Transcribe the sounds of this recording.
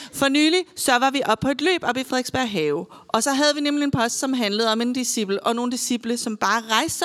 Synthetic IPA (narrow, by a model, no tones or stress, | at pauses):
fɒ̽nyːlisɒʋɑ̈ʋiʔɒ̽b̥̚pʰɒ̽e̝d̥lø̰ːb̥ɒ̽b̥ifʁeðˠɡ̥sb̥æɐ̰ɦɛːʊ | ʔɒ̽sɒ̽ɦæð̞ˠʋinemlie̝npʰɒ̽sd̥sɒ̽mɦænləð̩ˠɒ̽me̝nd̥isib̥l̩əʔɒ̽no̝ːn̩d̥isib̥ləsɒ̽mb̥ɑ̈ːʁɑ̈ɪsd̥ə